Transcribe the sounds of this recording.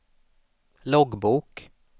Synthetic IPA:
lɔɡbuːk

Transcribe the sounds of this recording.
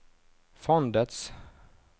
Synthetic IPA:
fɔnd̪ət̪s

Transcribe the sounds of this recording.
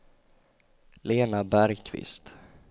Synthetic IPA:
leːnabæɾɡkʰvɪ̰st̪

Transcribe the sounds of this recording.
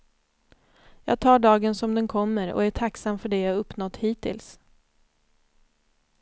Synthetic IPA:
jɑːɡ̚t̪ʰɑːɖɑːɡənsɔmd̪ɛnkʰɔmːəɾɔ̰æʈʰaksamfœɖɛjaːɡɵpːnɔt̪ːhiːt̪ɪ̰ls

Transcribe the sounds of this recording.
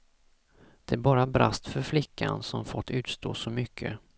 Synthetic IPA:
d̪̥ɛæɾbɑːɾabɾast̪fœɾflɪkʰːansɔmfɔt̪ʰːʉ̟ːt̪st̪o̰ːsɔmʏkʰːə̰

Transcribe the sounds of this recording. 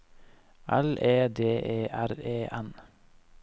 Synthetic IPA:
ʔæ̰lʔeːd̪eːʔeːʔæɾeːʔæn

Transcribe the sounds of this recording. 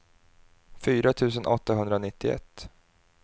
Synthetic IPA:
fyːɾat̪ʰʉ̟ːs̬ənʔɔt̪ːaɦɵnd̪ɾanɪt̪ːɪɛ̰t̪ː

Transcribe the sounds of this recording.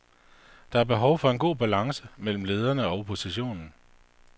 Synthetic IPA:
d̥ɑ̈æɐb̥e̝ɦɒʊfɒ̽e̝nɡ̥o̝̰ːb̥ælɑ̈ŋsəmel̰m̩le̝ːð̞ˠɐnəɒ̽ʊpʰo̝siɕo̝̰ːnn̩

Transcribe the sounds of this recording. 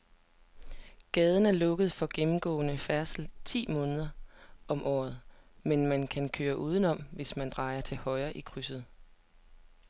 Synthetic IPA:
ɡ̥ɛːð̞ˠən̩æɐlɔ̽ɡ̥əð̩ˠfɒ̽ɡ̥emm̩ɡ̥ɔ̰̽ːnəfæɐsl̩t͡sʰḭːmɔ̽ːnəð̞ˠɐɒ̽mʔɒ̰ːð̞̩ˠmenmænkʰænkʰøːɐʔuːð̞ˠən̩ɒ̽m̰ʋe̝smænd̥ʁɑ̈ɪɐt͡sʰe̝lhɒ̽ɪɐʔikʰʁysð̞̩ˠ

